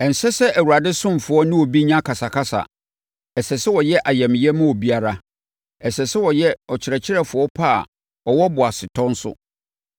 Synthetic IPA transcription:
ɛ̃˨n̩˨sɛ˦sɛ˦ʔæ˨wu˨ɾa˨dɪ˦sʊ̃˦m˨fʊ˨ɔ˦nɪ̃˦wo˨bi˦ɲã˦kʰa˨sa˨kʰa˦sa̰˨ | ɛ˨sɛ˨sɪ˦wɔ˨jɛ˦ʔa˨jɛ˨mɪ̃˨jɛ˦mʊ̃˦o˨bi˦a˦ɾa˨ | ɛ˨sɛ˨sɪ˦wɔ˨jɛ˦ɔ˨t͡ɕʰɪ˨ɾɛ˨t͡ɕʰɪ˦ɾɛ˨fʊ˨ɔ˦pʰa̰˦˨ | ɔ˨wɔ˦bʊ˨a˨sɪ˨tʰɔ̃˦n̩˦sʊ̰˦

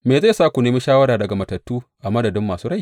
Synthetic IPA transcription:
meː˨za˦˨saː˦kʷu˨neː˦mi˦ʃaː˦wɐ˦ɾaː˨dɐ˨ɡa˨mɐ˨tɐ˨tːuː˦ʔa˨mɐ˦dɐ˨dɪ˦mːaː˨suː˦ɾa˦j

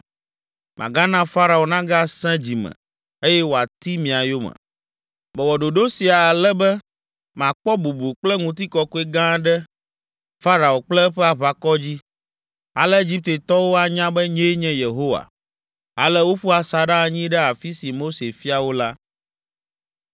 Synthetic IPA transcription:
mʔã̰˨ɡa˦nã˦fa˦ɾa˨o˨nã˦ɡa˦sɛ̃˦d͡ʑi˨mɛ̰̃˨ | e˦jɛ˦wo˨a˨t̪i˦mĩ˨a˨jo˦mɛ̰̃˨ | mɛ˨wɔ˨ɖo˨ɖo˦si˨a˨lɛ˦bɛ˦ | mã˨k͡pɔ˦bu˨bu˨k͡plɛ˦ŋũ˨t̪̬i˦kɔ˦ku˦e˦ɡã˦ɖɛ˦ | fa˦ɾa˨o˨k͡plɛ˦ɸɛ˦a˨βa˨kɔ˦d͡ʑi˦ | a̰˨lɛ˦e˦d͡ʑi˦p̚t̪e˨t̪ɔ˦wo˦a˨ɲã˦bɛ˦ɲe˦ɲɛ̃˦je˨ɦo˦wa̰˨ | a̰˨lɛ˦wo˦ɸu˦a˨sa˨ɖa˦˨ɲĩ˦ɖɛ˦a˨fi˦si˨mo˦se˨fi˦a˨wo˦la˦

